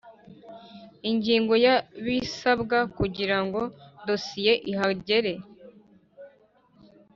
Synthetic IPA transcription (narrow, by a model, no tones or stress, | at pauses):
iɲɟiːŋɡo̞jaβisabɡakuɟiɾaŋɡo̞do̞sije̞ʔiɦaɟe̞ɾe̞